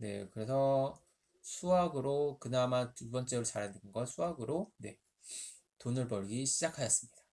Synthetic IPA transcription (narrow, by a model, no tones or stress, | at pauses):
ne̞̰kɯɾe̞sʰʌ | sʰuaɡɯɾokɯnamatubʌnt͡ɕ͈eɯɭt͡ɕaɾɦandɯnɯnɡʌsʰuaɡɯɾone̞ | tonɯɭpʌɾɡiɕʰid͡ʑakʰajʌs͈ɯmɲid̥a